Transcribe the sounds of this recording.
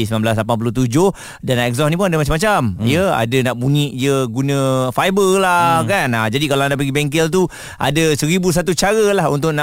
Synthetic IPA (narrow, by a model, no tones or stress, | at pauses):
isəmamblas̬lapanpulʊht̪ud͡ʒʊh | danːaʔɛkzɔsnip̬unadəmat͡ʃamːat͡ʃamijəa̰dənaʔbuɲiʔjəɡunə̃fajbərlakanad͡ʒadikalaandaʔp̬əɡibɛŋk̬ɛlt̪̬u | ʔa̰dəsəɾibus̬at̪ut͡ʃaɾəlahunt̪ʊʔna